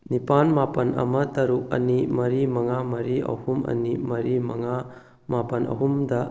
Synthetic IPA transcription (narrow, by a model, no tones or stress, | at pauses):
nipanmapɐnɐ̰mɐtɐɾuk̚ɐ̰nimɐɾimɐŋamɐɾiɐ̰humɐ̰nimɐɾimɐŋa | mapɐnɐ̰ɦumdɐ